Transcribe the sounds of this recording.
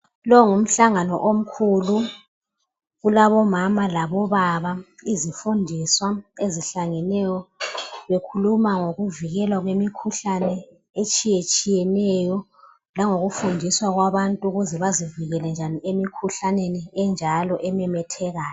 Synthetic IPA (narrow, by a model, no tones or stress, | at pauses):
lɔŋum̩ɬaŋanɔʔom̩kʰulu | ɣulaβɔmamalaβɔβaβaizifundʱiswaeziɬaŋɛnɛjɔβekʰulumaŋoɣuviɣɛlwaɣwemikʰuɬanɛ | et͡ʃʼijet͡ʃʼijɛnɛjɔ | laŋoɣufundʱiswaɣwaβantʼuɣuzɛβaziviɣɛlɛnd͡ʒʱaniemikʰuɬaneniɛnd͡ʒʱalɔʔɛmɛmɛtʰɛɣaːjɔ